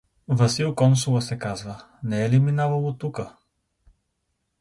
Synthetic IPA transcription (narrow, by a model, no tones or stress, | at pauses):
vəsilˠkɔnsulˠəsɛkazvə | nɛɛliminavəlˠot̪ukə